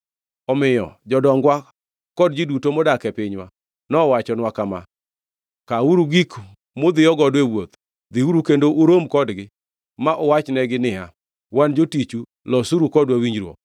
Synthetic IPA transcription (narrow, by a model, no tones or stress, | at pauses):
ɔmɪjɔ̰d͡ʒɔdɔŋɡwa | kɔd̚d͡ʒidutomɔdakɛpɪɲwa̰ | nɔwat͡ʃɔnwakama̰ | kauɾuɡik | mod̪ɪjɔɡɔdwɛwot̪ | d̪ɪuɾukendoʔuɾomkɔdɡɪ | maʔɔwat͡ʃnɛɡɪnɪɦa̰ | wand͡ʒotit͡ʃu | lɔsuɾukɔdwawiɲd͡ʒɾwo̰